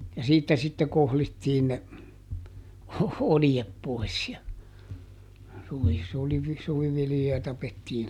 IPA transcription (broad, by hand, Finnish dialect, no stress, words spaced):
jɑ siːtːæ sitːe kohlitːiːn ne oljep poi̯s jɑ suʋi suliʋi suʋiʋiljojɑ tɑpetːiːn